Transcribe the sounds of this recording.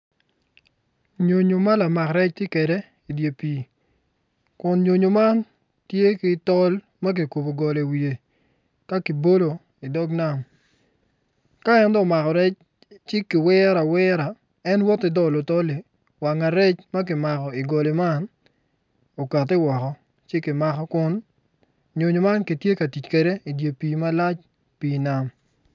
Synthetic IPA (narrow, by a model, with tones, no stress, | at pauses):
ɲo˨ɲo˨ma˦la˨ma˨kɾɛ˦t͡ʃte˦kwɛ˨de˦ | i˨dje˨piː˨ | kʊ˨nɲo˨ɲo˨ma˦n | tje˦kɪ˦tɔ˦l | ma˦k̬i˨ku˨bo˨ɡɔ˨le˨wi˨e˨ | ka˦ki˨bo˦lo˨ | i˨dɔ˦ɡna˦˨m | ka˦ɛ˦ntɔ˦˨ma˨kɔ˨ɾɛ˦t͡ʃ | t͡ʃɪ˦kɪ˨wɛ˦ɾa˨wɛ˦ɾa˨ | ɛ˦nwɔ˦tɪ˦dɔ˦lo˨tɔ˦li˨ | wa˨ŋa˨ɾɛ˦t͡ʃma˦k̬ɪ˨ma˨kɔ˨i˨ɡɔ˨le˨ma˦n | o˨ka˨tɪ˦wɔ˨kɔ˨ | t͡ʃɪ˦kɪ˨ma˨kɔ˦kʊ˦n | ɲo˨ɲo˨ma˦nki˨tje˦ka˨ti˨t͡ʃkɛ˨de˦i˨dje˨piː˨ma˦la˦t͡ʃ | piː˨na˨m